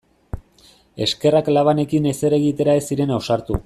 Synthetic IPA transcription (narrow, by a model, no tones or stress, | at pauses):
e̞̰ske̞raklaβ̞ane̞kine̞se̞ɾe̞ɣit̪e̞ɾaesiɾe̞nawsaɾt̪u